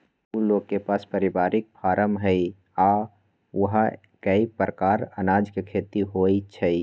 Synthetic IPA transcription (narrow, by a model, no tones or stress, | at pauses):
uloɡkepaspəɾibaɾɪk̚pʰaɾəmɦəj | a | uɦa | kəipɾəkaɾənad͡ʒkekʰet̪iɦojt͡ʃʰə